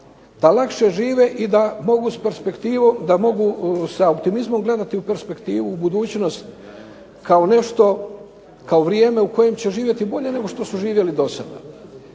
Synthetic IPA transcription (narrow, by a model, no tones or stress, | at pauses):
d̪alakʃe̞ʒiːʋeʔid̪amo̞ɡuspe̞ɾspe̞kt̪iːʋod̪amo̞ɡusaopt̪imizmo̞mɡle̞d̪at̪iupe̞ɾspe̞kt̪iːʋuːbud̪uːt͡ɕno̞st̪ | kaone̞ʃt̪o̞ | kaoʋɾjeːme̞uko̞je̞mt͡ɕe̞ʒiːʋje̞t̪ibo̞ʎe̞ne̞ɡo̞ʃt̪o̞suʒiːʋje̞lid̪o̞sad̪a̰